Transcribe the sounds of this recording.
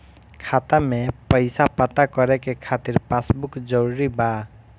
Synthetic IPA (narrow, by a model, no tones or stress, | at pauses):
kʰat̪amepəɪsapət̪akɔɾɛkekʰat̪iɾpasbukd͡ʒəɾuɾiba